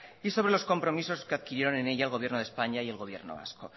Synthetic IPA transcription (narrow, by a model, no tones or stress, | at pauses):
iso̞βɾe̞lo̞sko̞mpɾo̞miso̞ske̞aðkiɾje̞ɾo̞ne̞ne̞ʎaelɣ̞o̞βjeɾnoe̞spaɲaie̞lɣo̞βje̞̰ɾnoβa̰sko̰